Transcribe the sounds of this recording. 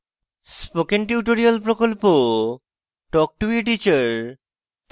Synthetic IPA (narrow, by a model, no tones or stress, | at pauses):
spokenʈjuʈoɾialpɾokolpo | ʈɔk̚ʈuiʈ̬it͡ɕaɾ | p